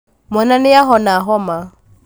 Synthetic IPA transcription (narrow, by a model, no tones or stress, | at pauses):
mɔnanɪjaɦɔnaɦɔma